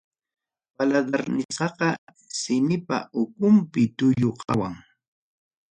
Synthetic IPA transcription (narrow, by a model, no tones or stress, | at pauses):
palad̪aɾnɪt͡sɑqɑ | sɪmɪpa̰ʊkʊmpɪt̪ʊjoqʰɑwaŋ